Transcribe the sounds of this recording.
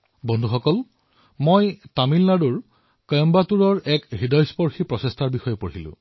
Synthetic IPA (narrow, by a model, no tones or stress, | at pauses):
bɔndʱuxɔkɔl | mojtamilnaduɹ | kɔjɔmbatuɹɔɹɛkɦidɔjspɔɹxipɹɔsestʰaɹbixɔjɔpoɹilʊ̰̃